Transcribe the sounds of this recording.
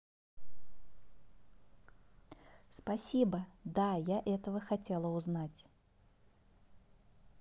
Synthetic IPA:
spɐsʲibəd̪ajaʔɛt̪əvəxɐtʲe̞lˠəʊznatʲ

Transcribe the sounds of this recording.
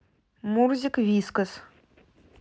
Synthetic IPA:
murzʲikvʲiskəs

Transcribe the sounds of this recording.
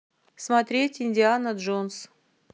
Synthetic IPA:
smɐt̪ɾʲetʲɪnʲdʲɪanəd̪ʐons

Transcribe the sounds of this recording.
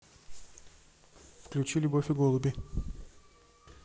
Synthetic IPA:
fklʲʉt͡ɕilʲʊbofʲɪɡolˠʊbʲɪ

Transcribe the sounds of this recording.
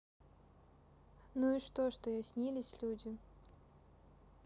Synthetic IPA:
nuiʂt̪oʂt̪ojasʲnʲilʲɪsʲlʲudʲɪ

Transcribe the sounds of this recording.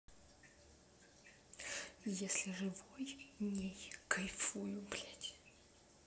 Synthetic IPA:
jesʲlʲɪʐɨvojnʲejkɐjfujʊblʲatʲ

